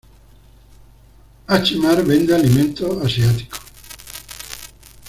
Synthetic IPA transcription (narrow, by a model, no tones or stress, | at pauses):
at͡ʃimaɾvend̪ealiment̪oasiaːt̪i̥ko̥